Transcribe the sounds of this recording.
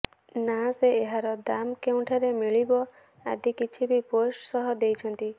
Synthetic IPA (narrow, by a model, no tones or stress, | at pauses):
naseːɦaɾɔd̪amkew̃ʈʰaɾemiɭibɔ | a̰d̪ikit͡ʃʰibiposʈsɔɦɔd̪ejt͡ʃʰɔnt̪i